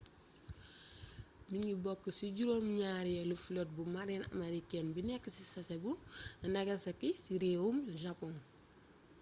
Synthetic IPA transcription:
miɲɡibɔkːəsiɟuɾomɲaɾijɐluflɔt̚bumaɾɛnɐ̰mɐɾikɛnbinɛkːəsisɐsɛbuɐnɐɡɐnsɐkisiɾewumʒapɔn

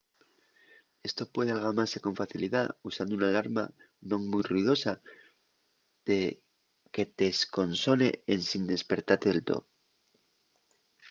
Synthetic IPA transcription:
e̞st̪o̞pwe̞ðe̞alɣamaɾse̞kõ̞ɱfaθiliðausand̪ounalaɾma̰ | nõ̞ŋmujruið̞o̞sa | ð̥e̞ | ke̞t̪esko̞nso̞ne̞ensind̪e̞spe̞ɾt̪at̪eðelt̪o̰ðo

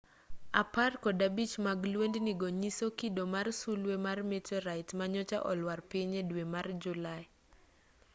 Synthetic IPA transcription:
aparkɔdabit͡ʃmaɡlwendniɡoɲisokidomarsulwemarmetɔɾaɪtmaɲɔt͡ʃa̰ʔɔlwarpɪɲedwemard͡ʒulaɪ

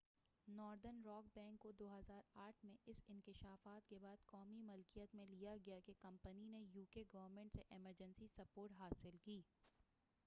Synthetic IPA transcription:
nɔːɾd̪ənɾɔːk̚bɛ̃ːŋkːod̪oːɦɐzaːɾaːʈʰmẽʔɪsɪnkɪʃaːfaːt̪kebaːd̪kɔːmimʊlkijət̪mẽlijaɡɐjakekɐ̃mpəninejuːkeɡɐʋəɾmẽːɳʈseʔɛməɾd͡ʒənsisɐpoːɾʈɦaːsɪlkiː

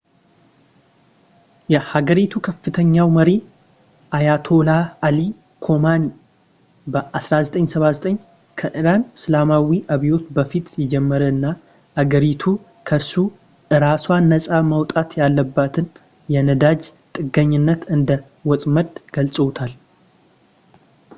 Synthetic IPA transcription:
jɛhaɡəɾit̪ʰukʰəfːɨt̪ʰəɲːawməɾi | ʔajat̪ʰo̞laːli | kʰo̞mani | bəʔasɾazət̪ʼəɲsəβazət̪ʼəɲː | kʰəʔɨɾanslamawiʔaβijo̞t̪bəfit̪jɛd͡ʒɛmːəɾəɨnːa | haɡəɾit̪ʰu | kʰəɾsu | ʔɨɾaswanːəsʼamawt̪ʼat̪jalːəbːat̪ʰɨn | jɛnəd̪ad͡ʒt̪ʼɨɡəɲːɪnːət̪ɨnd̪ə | wɔt̪ʼməd̪ɡ̥əlsʼəwt̪ʰal

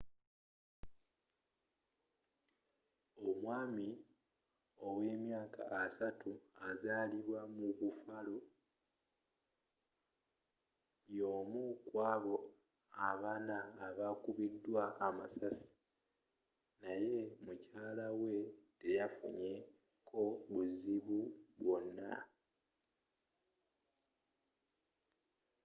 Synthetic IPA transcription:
omwaːmi | o̞we̞ːmjaːka̰ːsatuazaːliβwamuβufalo | jo̞ːmukwaːβo̞ | aβaːnaːβakuβidːwaʔːmasasi̥ | naje̞mucaːlawe̞te̞jafṵɲe̞ | kʰo̞βuziβuβwo̞nːa̰

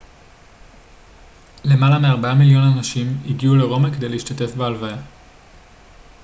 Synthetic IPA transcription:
le̞malameaʁbaamiljo̞nanaʃimiɡiule̞ʁo̞makede̞jleiʃt̪at̪e̞fbealvaja

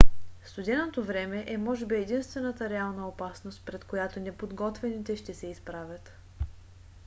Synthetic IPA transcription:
fst̪ʊd̪ʲɛnot̪ovɾɛmɛʔɛmɔʒɛbiɛd̪inst̪vɛnət̪əɾɛalˠnəopasnost̪pɾɛt̪kojat̪onɛpod̪ɡɔt̪vɛnit̪ɛʃt̪ɛsɛispɾavʲət̪

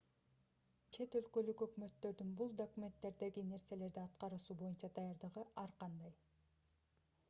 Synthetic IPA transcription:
t͡ʃʰe̞t̪ø̞lkø̞lykø̞kmø̞t̪ːø̞ɾd̪ynbulˠd̪okumʲe̞nt̪ːe̞ɾd̪e̞ɡine̞ɾse̞le̞ɾd̪iɑt̪qɑɾɯʃuːbo̞junt͡ʃɑd̪ɑjɑɾd̪ɯʁɯɑɾqɑnd̪ɑj

